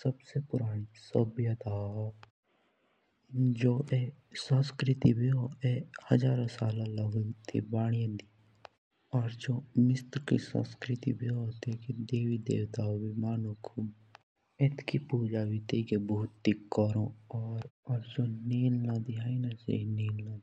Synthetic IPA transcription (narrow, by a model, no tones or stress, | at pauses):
səbsepʊɾaːɽ̃isəbjət̪aː | d͡ʒoːʔe | sə̃skɾɪt̪ibʱioehəzaːɾãsaːlãləɡət̪ʰḭbaːɽ̃ijãd̪i | ɔːɾd͡ʒoːmɪst̪kḭsə̰̃skɾɪt̪ḭbiːot̪eːked̪eːʋiːd̪ḛːʋt̪aːobiːmaːnũkʰu | et̪kʰiːpuːd͡ʒaːʋiːt̪eːkebuːt̪ːikːəɾoɔːɾɔɾd͡ʒoːneːllãːd̪iɦaːinasḛineːllãːd̪i